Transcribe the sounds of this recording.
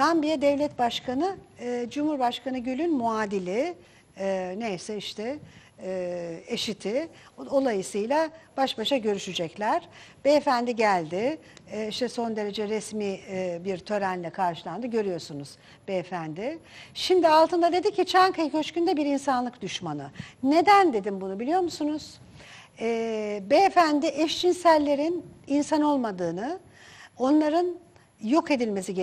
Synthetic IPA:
d̪ʰambijɛd̪ɛvlʲɛt̪baʃkʰanɯd͡ʒumhuɾbaʃkanɯɟylʲynmuaːd̪ilʲɪ | nejsɛiʃt̪ʰɛ | eʃit̪ʰɪ | o̞lˠajɯsɯjlˠab̥aʃbaʃaɟø̞ɾyʃyd͡ʒɛclʲæɾ̥bɛːfænd̪iɟælʲd̪ɪiʃt̪ʰɛso̞nd̪e̞ɾe̞d͡ʒɛɾɛsmibiɾt̪ʰø̞ɾænlʲɛkʰaɾʃɯlˠand̪ɯɟø̞ɾyjo̞ɾsunuz̥ | bɛːfænd̪ɪʃimd̪ialˠt̪ʰɯnd̪ad̪e̞d̪icʰet͡ʃʰænkajɯcʰø̞t͡ʃkynd̪ɛbiɾinsanlˠɯkd̪yʃmanɯ̰ne̞d̪ænd̪e̞d̪imbunubilʲijo̞ɾmusunuz̥ | ɛːbɛːfænd̪iʔɛʃd͡ʒinsælʲːe̞ɾininsano̞lˠmad̪ɯːnɯ | o̞nlˠaɾɯn | jo̞ke̞d̪ilʲme̞siɟ

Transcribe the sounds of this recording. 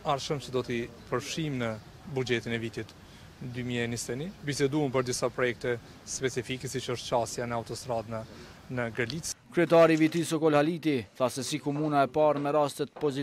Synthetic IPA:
aɾʃəmt͡ʃəd̪ɔt̪i | pəɾfʃimnə | bud͡ʒɛt̪inɛvit̪it̪ | d̪ymiɛnist̪ɛnibisɛd̪uəmpəɾd̪isapɾɔjɛk̚t̪ɛ | spɛt͡sifikɛsit͡ʃəɔʃt̪̚t͡ʃast̪janɛaut̪ɔst̪ɾad̪nə | nəɡəɾlit͡skɾyɛt̪aɾivit̪isɔkɔlalit̪iθasɛsikɔmunaɛpaɾmɛɾast̪ət̪pɔzi

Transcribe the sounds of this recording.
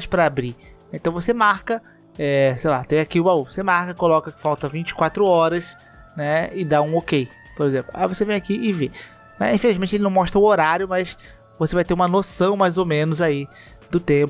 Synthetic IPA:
ʃpɾɐabɾinɛẽt̪ɐ̃w̃vosemaɾkɐ | ɛsejlat̪ẽj̃akiʊbauvosemahkɐkolɔkɐkɪ̥fawt̪ɐvĩt͡ʃɪ̥kwat̪ɾʊɔɾɐs | nɛɪd̪aũokej | poɾezẽplʊa̰jvosevẽj̃akiʔɪve | nɛ̰ĩfelizmẽt͡ʃɪelɪnɐ̃mɔʃt̪ɾɐʊoɾaɾjʊmɐs | vosevajt̪eɾũmɐnosɐ̃w̃majzomẽnʊzai | d̪ʊt̪ẽpʊ

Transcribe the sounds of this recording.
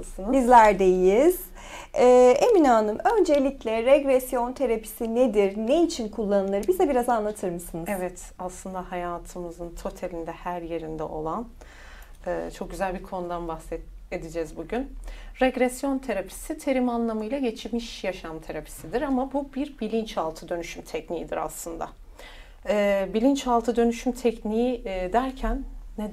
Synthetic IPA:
sɯnbizlʲæɾd̪ejiz̥ | ɛːeminaːnɯmø̞nd͡ʒe̞lʲiclʲɛɾɛɡɾɛsjo̞nt̪ʰe̞ɾapʰi̥sined̪iɾneit͡ʃʰinkʰulˠːanɯlˠɯɾɯbizd̪ɛbiɾazanlˠat̪ʰɯɾmɯsɯnɯzevɛt̪ | aslˠɯnd̪ahajaːt̪ʰɯmɯzɯnt̪ʰo̞t̪ʰelʲind̪ɛhæɾje̞ɾind̪ɛ̰o̞̰lˠan | ɛːt͡ʃʰo̞k̚ɟyzælʲbiɾkʰo̞nud̪anbaxsɛ | ed̪id͡ʒɛzbuɟynɾɛɡɾesjo̞nt̪ʰeɾapʰi̥sit̪ʰe̞ɾimanlˠamɯjlˠaɟe̞t͡ʃʰimiʃjaʃamt̪ʰe̞ɾapʰi̥sid̪iɾamabubiɾbilʲint͡ʃalˠt̪ʰɯd̪ø̞nyʃymt̪ʰɛcnijid̪iɾa̰slˠɯnd̪a̰ | ɛːbilʲint͡ʃalˠt̪ʰɯd̪ø̞nyʃymt̪ʰɛcnijid̪æɾcʰænːe

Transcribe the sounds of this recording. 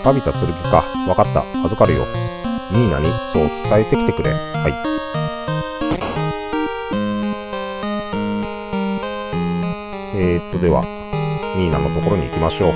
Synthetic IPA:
pabʲit̪at͡sɨɾɯ̟bʲɯkaβakat̪ːa̰ːzɨkaɾɯ̟jo̞̰ːɲʲiːna̰ɲ̟isoːt͡sɨ̥t̪ae̞t̪e̞kʲi̥t̪e̞kɯ̟ɾe̞̰haḭ | eːt̪ːod̪e̞βa̰ | ɲʲiːnano̞t̪o̞ko̞ɾo̞ɲ̟ḭːkʲimaɕo̞ː

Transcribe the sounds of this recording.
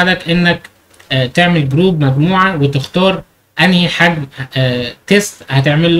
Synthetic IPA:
d̪ækʔenːæk | t̪eʕmelɡɾuːbmæɡmuːʕawet̪ext̪ɑːɾˤ | ʔænhiħaɡ | t̪esthæt̪eʕmelː

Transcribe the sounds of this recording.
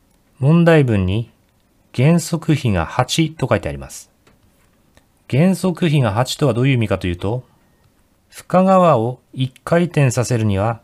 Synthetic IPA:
mõ̞nd̪aibɯ̟̃ɲ̟ːi | ɡ̥ẽ̞ɰ̃so̞kɯ̟çiŋa̰hat͡ɕit̪o̞kait̪e̞aɾʲima̰sɨ̥ | ɡ̥ẽ̞ɰ̃so̞kɯ̟çiŋaɦat͡ɕi̥t̪o̞βad̪o̞ːjɯ̟ːmʲikat̪o̞jɯ̟ːt̪o̞ | ɸɯ̟̥kaɡaβao̞ikʰːait̪ẽ̞ɰ̃sase̞ɾɯ̟ɲ̟iβ̞a

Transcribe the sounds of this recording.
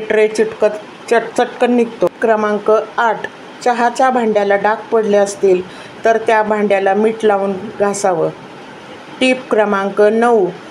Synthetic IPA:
ʈɾet͡ɕiʈkət̪ | t͡ɕəʈt͡səʈkənikt̪okɾəmaŋkəaʈʰ | t͡ɕəɦat͡ɕabʱãɳɖjalaɖak̚ʰpəɽleəst̪iːl | t̪əɾt̪jabʱãɳɖjalamiːʈlaʋunɡʱasaʋə | ʈipkɾəmaŋkənəw

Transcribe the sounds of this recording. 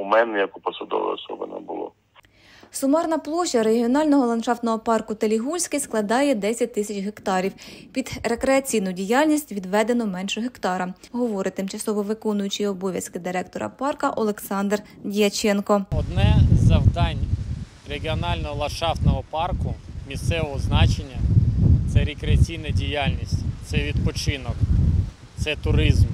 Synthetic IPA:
mɛnɛjɐkʊpɔsɐd̪ɔ̰ʋɪ̰jɔ̰sɔ̰bɪ̰nɛ̰bʊ̰lˠɔ̰ | sʊmɑrnɐplˠɔʃɐɾeɦʲiɔnɑlʲnɔɦɔlˠɐnʃɑft̪nɔɦɔpɑrkʊt̪elʲiɦulʲsʲkɪsklˠɐd̪ɑjɛd̪ɛsʲɐt̚ʲt̪ɪsʲɐt͡ʃʲɦekt̪ɑɾʲiwpʲid̪ɾe̞kɾeɐt͡sʲijnʊdʲijɑlʲnʲisʲtʲʋʲid̪ʋɛd̪e̞nɔmɛnʃɔɦekt̪ɑɾɐɦɔʋɔɾɪt̪ɪmt͡ʃɐsɔʋɔʋɪkɔnʊjʊt͡ʃiɔbɔʋʲjɐskɪd̪ɪɾɛk̚t̪ɔɾɐ̰pɑrkɐʔɔlˠeksɑnd̪r | dʲijɐt͡ʃɛnkɔɔd̪nɛzːɐwd̪ɑnʲ | ɾeɡʲiɔnɑlʲnɔɦɔlˠɐʃɑft̪nɔɦɔpɑrkʊmʲist̪sɛʋɔɦɔznɑt͡ʃenʲːɐt̪sɛɾekɾeɐt͡sʲijnɐdʲijalʲnʲisʲtʲt̪sɛʋʲid̪pɔt͡ʃɪnɔk | t̪sɛt̪ʊɾɪzm

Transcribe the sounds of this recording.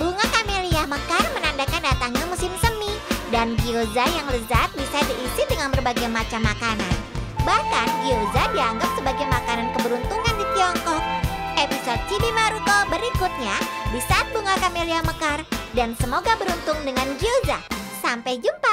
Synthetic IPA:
buŋakameliaməkarmənandakandat̪aŋɲamusɪmsəmidanɡiozajaŋləzat̪̚bisadiʔisidəŋanbərbaɡajmat͡ʃamːakana̰nbahkanɡiozadiaŋɡap̚səbaɡajmakanankəbəɾunt̪uŋandit̪iɔŋkɔk̚ʔepisot̪̚t͡ʃibimaɾukobəɾikut̪̚ɲabisat̪̚buŋakameliahməkardansəmoɡabəɾunt̪ʊŋdəŋanɡiozasampajd͡ʒumpa

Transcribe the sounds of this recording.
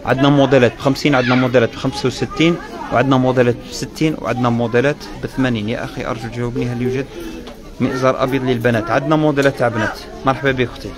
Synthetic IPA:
ʕə̰d̪næmod̪əlæt̪̚bxæmsinʕəd̪næmod̪ælæt̪̚bxæmsawsət̪ːin | wʕəd̪næmod̪əlæt̪̚bsət̪ːinwʕə̰d̪næmʊd̪əlæt̪ | bət̪mæninjæ̰ʔæ̰xiʔɑ̰ɾˤʒulʒæwæbniɦælːjuʒəd̪̚ | miʔzɑɾˤʔɑ̰bjid̪ˤləlbænæt̪ʕəd̪næmʊd̪əlæt̪ːaʕbnæt̪ | mɑɾˤħbæbixt̪i

